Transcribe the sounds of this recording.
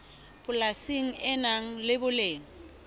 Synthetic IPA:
b̥ʊlasiŋ̩ɛnaŋ̩lɪbʊleːŋ̩

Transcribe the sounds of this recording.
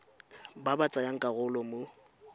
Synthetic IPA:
babat͡sʼajaŋ̩kʼaɣʊlɔmʊ

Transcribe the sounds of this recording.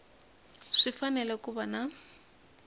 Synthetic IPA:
ʂifanɛlɛkubana

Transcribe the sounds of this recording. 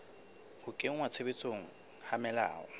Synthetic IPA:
hʊkʼeŋ̩wat͡sʰebet͡sʼoŋ̩ | hamɛla̰ːɔ̰

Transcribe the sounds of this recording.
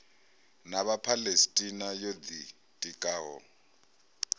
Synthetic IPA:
naβapʰalestʼinajod̪i | tʼikʼaːɦɔ̰

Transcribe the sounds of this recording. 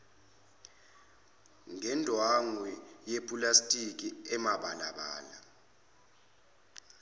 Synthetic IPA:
ŋɛndʱwaŋwɛjepʼulastʼik̬ʼiɛmaɓalaɓaːla

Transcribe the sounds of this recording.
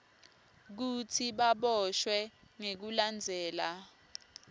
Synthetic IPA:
k̬utʰiɓaɓɔʃwɛŋek̬uland͡zʱɛːla

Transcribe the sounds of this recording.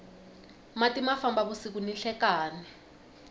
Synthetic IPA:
matʼimafambaɓusik̬uniɬɛkaːnɛ

